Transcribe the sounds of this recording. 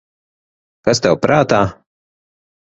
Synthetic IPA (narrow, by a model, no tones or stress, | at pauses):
kast̪ɛwpɾaːt̪aː